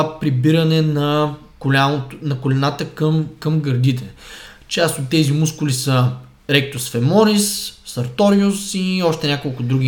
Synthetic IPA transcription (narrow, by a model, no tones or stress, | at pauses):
pɾibiɾɐnɛnɐ | kʊlʲanot̪nɐkʊlɛnat̪əkəmkɐmɡəɾd̪it̪̬ɛ | t͡ʃast̪ot̪ːɛzimuskʊlisə | ɾɛk̚t̪osfɛmɔnisːɐɾt̪ɔɾiʊsiɔʃt̪ɛnʲakolˠkʊd̪ɾuɡʲi